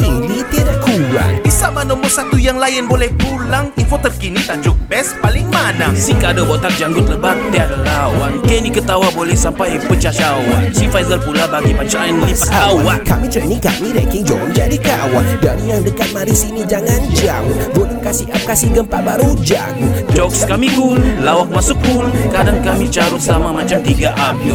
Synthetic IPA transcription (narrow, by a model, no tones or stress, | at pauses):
t̪iŋdit̪idakuɾa̰nbisamanɔmɔrsat̪ujaŋlajɪnbolɛhpulaŋinfot̪ərkinit̪ad͡ʒʊk̚bɛspalɪŋmanaŋsiŋkadabɔt̪ar̚d͡ʒaŋɡʊt̪̚ləbat̪iadalawankɛnikət̪awabolɛhsampajpət͡ʃat͡ʃawansifajzəlpulabaɡipat͡ʃanlipəawankamit͡ʃəʔnika̰midɛkɪŋd͡ʒɔ̰ɔmd͡ʒa̰dikəawa̰ndaɾijaŋdəkat̪̚maɾisinid͡ʒaŋand͡ʒaŋbolɛkasihap̚kasɪhɡəmpaʔbaɾud͡ʒa̰ŋd͡ʒɔkskamiɡullawakmasuk̚ulkadaŋkamit͡ʃaɾʊtsamamat͡ʃamt̪iɡaʔap̚